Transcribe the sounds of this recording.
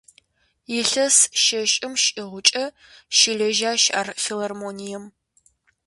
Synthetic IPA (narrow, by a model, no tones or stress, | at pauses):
jɪɬɐsʃɐʃʼɪmʃiʁʷʊt͡ʃʼɐ | ʃɪɮɐʒaːʃa̰ːrfilɐrmoːnijɛm